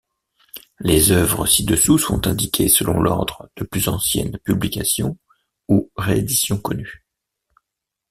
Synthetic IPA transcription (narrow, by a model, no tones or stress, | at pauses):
lezœvʁəsid̪əsusɔ̰̃t̪ɛ̃d̪ikʲʰesəlɔ̃lɔ̰ʁd̪ʁəd̪̥əplyzɑ̃sjɛ̰npyblikasjɔ̃ | uʁeed̪isjɔ̃kɔny